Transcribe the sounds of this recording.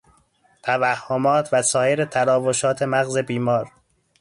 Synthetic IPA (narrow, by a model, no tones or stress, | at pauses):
t̪ʰævæhːomɒːt̪ʰvæsɒːjeɾet̪ʰæɾɒːvoʃɒːt̪ʰe̞mæɣze̞biːmɒːɾ